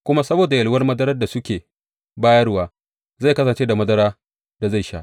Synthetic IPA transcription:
kʷʊ˦ma˦sɐ˦boː˨da˨jɐ˨lwɐ˦rmɐ˦dɐ˦ɾɐ˦rda˨sʊ˦kʲeː˨ | baː˦jɐ˦rwaː˨ | za˦˨jkɐ˦s̬ɐ˨nt͡ʃeː˦da˨mɐ˦dɐ˦ɾaː˦ | d̥a˨za˦˨jʃa̰˦ʔ

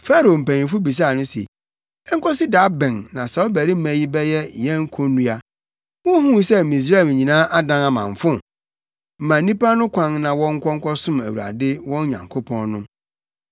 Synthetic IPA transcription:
fa˦ɾo˨m̩˨pæ̃˨nĩ˨fʊ˦bi˨s̬a˦˨nʊ̃˦sḛ˨ | ɛ˦ŋ̩˦kʰɔ˦sɪ˦da˨˦bɛ̃˨nːã˨sɛ˨ɔ˦bæ˨ɾi˦mæ̃˨ji˦bɛ˦jɛ˦jɛ˦ŋ̩˦kʰo˦nũ˦a˦ | wɔ̃˦hũ˦sɛ˦˨mĩ˨s̬ɾa˦˨m˨ɲĩ˨nãː˦ʔa˦dã˦a˨mã̰˨ɱ˨fʊ̃˦˨ | m̩˨mã˨˦nĩ˦pa˦nʊ̃˦kʷʰã˦nnã˨wɔ̃˦ŋ̩˦kʷʰɔ˦ŋ̩˦kʷʰɔ˦sʊ̃˦mæ˨wu˨a̰˨dɪ˦wɔ̃˦n˦ɲã̰˨ŋkʰo˦pʰɔ̃˦nnʊ̃˦

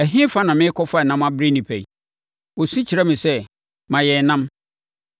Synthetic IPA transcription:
æ˨ɦĩ˦fa˦nã˨mɪ̃˦kʰɔ˦fa˦˨nã˦mã˦bɾi˦nĩ˨pʰæ˨i˨ | wɔ˨sĩ˦t͡ɕʰi˨ɾɛ˦mɪ̃˨sɛ˦ | mã˨jɛ˨nã˦m

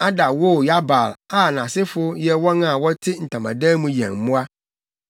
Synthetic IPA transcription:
a˦da˨wo˦˨ja˦ba̰˨la˨nã˨sɪ˦fʊ˦jɛ˦wɔ˦nã˨wɔ˦tʰɪ˦n̩˨tʰã˨mã̰˨dã˦mũ˦jɛ̰̃˨ŋ˨mʊ̃˦a˦

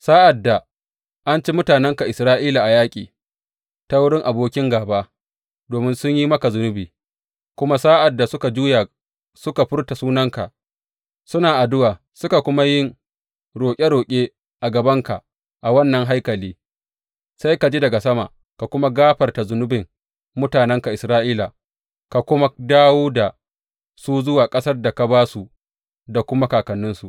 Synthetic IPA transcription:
saː˦ʔa˨dːa˨ | ʔa˦nt͡ʃe˦mʊ˦taː˨nɛ˦ŋka˨ʔɪ˨sɾaː˦ʔiː˦la˨ʔa˨jaː˦kʲʼḭː˨ | ta˦wʊ˦ɽɪ˦ŋʔa˨boː˦kʲɪ˦ŋɡaː˨baː˦ | doː˨mɪ˦nsʊ˦ɲji˦mɐ˦ka˨zʊ˦nʊ˦biː˨ | kʷʊ˦ma˦saː˦ʔa˨dːa˨sʊ˦ka˨d͡ʒuː˦ja˨ | sʊ˦ka˨ɸɪ˦rta˨suː˦nɐ˦ŋka˨ | sʊ˦naː˨ʔa˨dʊ˦waː˨ | sʊ˦ka˨kʷʊ˦ma˦jɪ˦ŋ | ɽoː˨kʲʼe˦ɽoː˨kʲʼeː˦ | ʔa˨ɡɐ˨bɐ˦ŋka˨ | ʔa˨wɐ˦nːɐ˨ŋɦa˦jkɐ˨liː˦ | sa˦jka˨d͡ʒiː˦dɐ˨ɡa˨sɐ˦ma̰˨ | ka˨kʷʊ˦ma˦ɡaː˦ɸɐ˨rta˨zʊ˨nʊ˦bɪ˨ŋ | mʊ˦taː˨nɛ˦ŋka˨ʔɪ˨sɾaː˦ʔiː˦la˨ | ka˨kʷʊ˦ma˦daː˦woː˦da˨ | su˦zʊ˦waː˨kʼɐ˦sɐ˦rda˨ka˨baː˦su˨ | da˨kʷʊ˦ma˦kaː˨kɐ˨nːʊ˦nsu˨

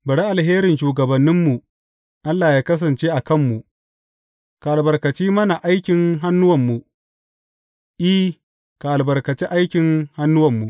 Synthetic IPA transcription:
bɐ˨ɽi˦ʔa˨lɦeː˦ɾɪ˨nʃuː˨ɡɐ˨bɐ˨nːɪ˦mːu˨ | ʔa˦lːaː˨jaː˦kɐ˦s̬ɐ˨nt͡ʃeː˦ʔa˨kɐ˦˨mːu˨ʔ | ka˨ʔa˨lbɐ˨rkɐ˨t͡ʃiː˦mɐ˦na˨ʔa˦jkʲɪ˨ŋɦa˦nːʊ˦wɐ˨mːu˨ | ʔi˦ | ka˨ʔa˨lbɐ˨rkɐ˨t͡ʃi˦ʔa˦jkʲɪ˨ŋha˦nːʊ˦wɐ˨mːu˨ʔ

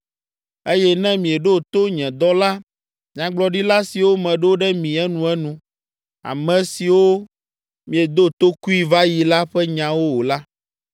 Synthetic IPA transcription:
e˦jɛ˦nɛ̃˦mĩ˨e˨ɖo˦˨t̪o˦ɲɛ̃˨d̪ɔ˦la˦ | mĩ˨ã˨ɡ͡blɔ˨ɖi˦la˦si˨wo˦mɛ̃˨ɖe˦o˦ɖɛ˦mĩ˨ɛ˦nũ˨ɛ˦nũ˨ | a̰˨mɛ̃˨si˨wo˦ | mĩ˨e˨d̪o˦t̪o˦ku˦i˦va˦ji˨la˦ɸɛ˦ɲã˨wo˦wo˨la˦

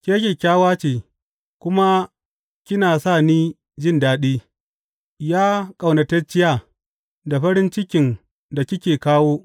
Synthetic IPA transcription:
kʲeː˦k̬ʲe˨kʲaː˦waː˦t͡ʃeː˨ | kʷʊ˦ma˦ | kʲɪ˦naː˨saː˦˨niː˦ | d͡ʒɪ˦˨ndaː˨ɗiː˦ | jaː˦kʼa˨wnɐ˨tɛ˦t͡ʃːɪ˦jaː˦˨ | da˨ɸɐ˦ɾɪ˦nt͡ʃɪ˦kʲɪ˨n | da˨kʲɪ˦kʲeː˨kaː˦woː˦

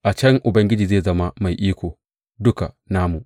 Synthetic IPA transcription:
ʔa˨t͡ʃɐ˦ŋʔʊ˨bɐ˦ŋɡʲɪ˦d͡ʒiː˨zeː˦˨zɐ˦ma˦ma˨jʔiː˦kʷoː˨ | dʊ˦ka̰˨ | naː˦mu˨ʔ

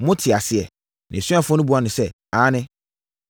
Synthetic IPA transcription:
mʊ̃˦tʰɪ˨a˨sɪ˨ɛ˨ | nɪ̰̃˨sɥa˦fʊ˦ɔ˦nʊ̃˦bu˨˦a˦˨nʊ̃˨sɛ˦ | aː˨˦nɪ̃˦

